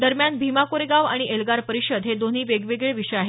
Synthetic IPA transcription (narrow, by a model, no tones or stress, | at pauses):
d̪əɾmjanbʱimakoɾeɡaʋa̰ɽ̃iʔelɡaɾpəɾiɕəd̪ɦed̪on̤iːʋeɡʋeɡeɭʋiʂəjaɦe